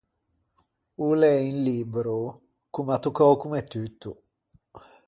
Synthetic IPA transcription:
ulɛinlibɾo | kumat̪ːukɔkumɛt̪ːyt̪ʰːu

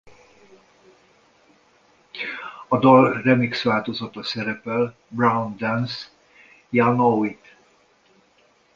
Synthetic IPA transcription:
ɒd̪ɒlrɛmiksvaːlt̪ozɒt̪ɒsɛɾɛpɛl | braund̪ɛns | janoit̪

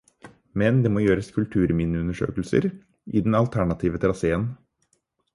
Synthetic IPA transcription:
mɛnd̪eːmoːjøːɾəskʰʉlt̪ʰʉːɾmɪnːɪʉnəʂø̰ːkəlsə̰ɾ | ʔɪ̰d̪ɛnɑlt̪ʰæɳɑt̪ʰiːʋət̪ʰɾɑseːən

